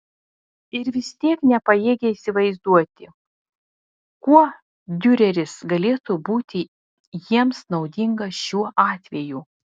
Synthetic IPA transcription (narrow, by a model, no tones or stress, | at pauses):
ɪɾʋʲɪst̪ʲiɛknʲɛpɐjeːɡʲɛiːsʲɪʋɐɪzd̪uɔt̪ʲɪ | kuɔ | d̪ʲʊɾʲɛɾʲɪsɡɐlʲeːt̪uːbuːt̪ʲɪ | jiɛmsnɒʊd̪ʲɪŋɡɐʃʲuɔʔɑːt̪ʲʋʲɛjuː